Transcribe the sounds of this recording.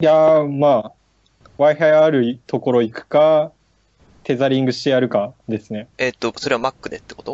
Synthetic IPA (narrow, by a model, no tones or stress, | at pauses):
jamaː | βaiɦajaɾɯ̟t̪o̞ko̞ɾo̞ikɯ̟̥ka | t̪e̞zaɾʲĩŋɡɯ̟ɕi̥t̪e̞jaɾɯ̟kad̪e̞sɨne̞et̪ːoso̞ɾe̞βamakːɯ̟d̪et̪ːe̥kot̪o